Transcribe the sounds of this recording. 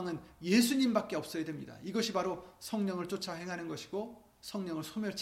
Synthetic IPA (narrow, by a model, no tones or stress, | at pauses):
ŋɯnjesʰuɲimbak̚k͈e̞ʌp̚s͈ʌjadwemɲḭda̰iɡʌɕʰibaɾosʰʌŋɲʌŋɯɭt͡ɕ͈ot͡ɕʰʌɦe̞ŋɦanɯnɡʌɕʰi̥ɡ̥o | sʰʌŋɲʌŋɯɭsʰomjʌɭt͡ɕʰ